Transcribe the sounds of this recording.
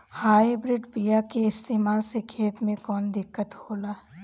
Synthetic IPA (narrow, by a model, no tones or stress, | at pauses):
haːibɾɪɖpijakeɪst̪eːmaːlsekʰeːt̪mẽkɔːnd̪ɪkːət̪hoːlaː